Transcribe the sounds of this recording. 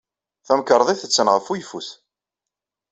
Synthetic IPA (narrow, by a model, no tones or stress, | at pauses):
θæmkəɾˤðˤiθət͡sːənʁəfujfṵθ